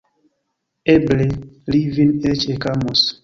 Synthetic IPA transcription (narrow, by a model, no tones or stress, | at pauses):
ɛblɛlivinɛt͡ʃɛkamos